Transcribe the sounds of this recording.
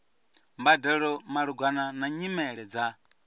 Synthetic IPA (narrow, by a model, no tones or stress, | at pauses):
mbadɛɺɔmaɺuɡwananaɲimɛɺɛd͡za